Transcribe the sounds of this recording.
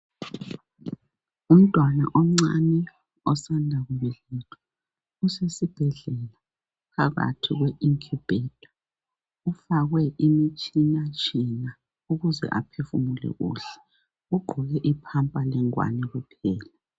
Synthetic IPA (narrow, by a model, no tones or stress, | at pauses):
um̩tʼwana̰ʔɔm̩ŋ͡ǀanɛ | ɔsandʱaɣuβɛlɛtʰʼɔ̥ | usesib̥ʱɛɮɛla | pʰaɣa̰tʰiɣweʔiŋkʰub̥ʱɛːd̥ʱʼɔ̥ | ufaɣwɛʔimit͡ʃʼinat͡ʃʼina | uɣuzɛ̰ʔa̰pʰefumulɛ̰ɣṵɬɛ̥ | uɡ͡ǃʱɔɣɛʔipʰampʼalɛŋwa̰nɛɣupʰɛːla